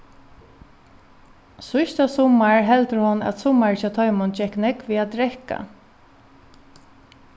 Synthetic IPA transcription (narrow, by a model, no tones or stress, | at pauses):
sʊjst̪asʊmːaɹɦɛlt̪əɾhɔnæ̰t̪sʊmaɹɪt͡ʃat̪ʰɔjmɔnt͡ʃɛhknɛkʋiat̪ɾɛhka̰